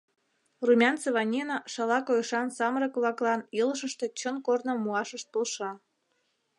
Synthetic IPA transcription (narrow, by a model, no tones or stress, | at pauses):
rumʲɑnt͡seβɑnʲinɑʃɑlɑkojʃɑnsɑməɾəkβlɑklɑniləʃəʃt̪e̽t͡ɕənkornomuɑʃəʃt̪̚polʃɑ